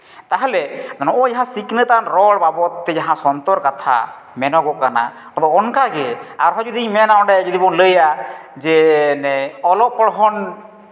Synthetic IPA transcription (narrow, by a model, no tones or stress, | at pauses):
t̪aɦalɛnɔʔɔjaɦãsiknət̪anɾɔɭbabɔt̪ːɛd͡ʒaɦãsɔnt̪ɔɾkat̪ʰa̰ | mɛnɔɡɔkana̰ | ɔd̪ɔɔnkaɡɛaɾɦɔd͡ʒud̪iɲmɛnaɔɳɖɛd͡ʒud̪ibɔnləjad͡ʒɛnɛɔlɔpːɔɽɔɦɔn